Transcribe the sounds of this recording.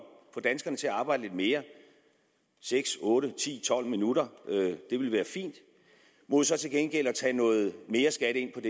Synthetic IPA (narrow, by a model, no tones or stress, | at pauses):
fɒ̽d̥ænsɡ̥ɐnət͡sʰe̝æɑ̈ːb̥ɑ̈ɪ̰d̥əled̥me̝ːɐ | seɡ̥sɔ̽ːɾət͡sʰḭːt͡sʰɒ̽l̰minudɐød̥e̝ʋe̝lʋæːɐfḭːnd̥ | mɔd̥esɒ̽t͡sʰe̝lɡ̥enɡ̥el̰ɒ̽t͡sʰɛ̰ːnɔ̽ːð̞̩ˠme̝ːɐsɡ̥æɾəe̝n̰pʰɒ̽d̥e